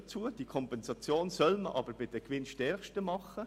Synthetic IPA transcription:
t͡suːəd̥ikʰɔmpɛnsɑt͡sjoːnsœlməʔɑ̰ːbəɾbɪdɛkʋɪnʃtɛɾxʃtəmɑχə

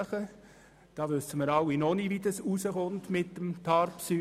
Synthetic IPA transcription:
χə | d̥ɑːʋʏsːəməɾɑwinonividɑsusəχʊntmɪtːəmtʰɑrpsy

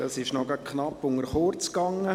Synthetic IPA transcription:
ɑsɪʃnɔɡɑkχnɑpːʊŋəɾχoɾt͡skɑŋːə

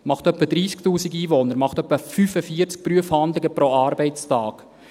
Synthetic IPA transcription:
mɑχtœpːədɾiːsktuːsiɡiːvonəɾmɑχtœpːəfyfəfiəɾt͡sk̚pɾyəfhand̪lɪɡəpɾoɑːɾbɛɪstɑːk

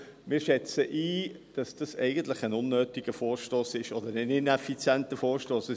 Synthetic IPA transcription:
mɪːʃɛt͡səʔiːd̥ɑsd̥ɑsɛ̰ɪɡənt̪lɪχænʊnːøːtiɡ̥əfɔːɾʃtoːsɪʃɔd̪əɾənɪnɛfit͡sjɛntəfɔːɾʃtoːsə

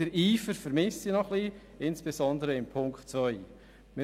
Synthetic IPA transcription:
əɾiːfəɾfəɾmɪsinɔχli | ɪnsb̥esɔndəɾəɪmpʰʊŋkχtt͡svœʏ | mɪ

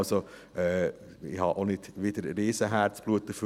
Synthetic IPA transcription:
so | ʔɛː | ɪhɑʔonɪt̪ʋɪd̪əɾɾiːsəɦæːɾt͡sb̥luət̪ːəf

